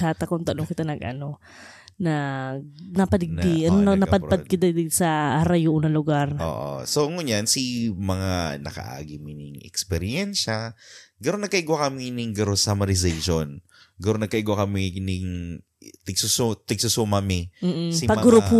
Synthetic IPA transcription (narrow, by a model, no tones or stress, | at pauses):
aːt̪ɐkont̪ɐnokɪt̪anɐɡʔɐ̰no̞ | nɐ | nɐpɐd̪ɡ̚d̪ɐnonɐpɐdpɐd̪̚kɪd̪ad̪ɪsɐʔaɾɐjuʔunɐlʊɡaɾʔo̰ːʔo̰soŋʊɲansimɐŋanɐ̰kɐ̰ʔa̰ːɡɪmɪnɪŋɛ̰kspɛɾjɛnʃɐ | ɡɐnonnɐɡ̚kɐʔiɡwakɐminɪŋɡɐɾosamɐɾɪzɛjʃon | ɡɐnonnɐɡ̚kɐʔiɡwakɐmɪnɪŋ | t̪ɪɡsʊst̪ɪɡsʊsumɐmɪm̩ːʔ̩sipɐmɡʊɾʊpu